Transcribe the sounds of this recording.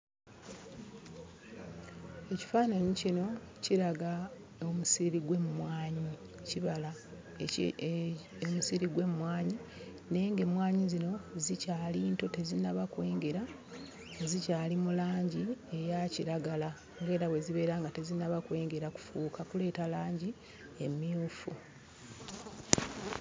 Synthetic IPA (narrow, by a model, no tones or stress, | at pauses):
e̞ci̥faːnaɲicino̞ | ciɾaɡa | omusiɾiɡwe̞mumwaːɲi | ciβala | omusiɾiɡwe̞mumwaːɲi | ne̞ːŋɡe̞mwaːɲizino̞zicaːliːnto̞te̞zinaβakwe̞ːŋɡeɾa | zicaːlimulaːɲɟie̞jaciɾaɡala | ŋɡe̞ːɾawe̞ziβe̞ːɾaːŋɡate̞zinaβakwe̞ːŋɡe̞ɾaku̥fuːkakule̞ːtalaːɲɟi | e̞miuːfṵ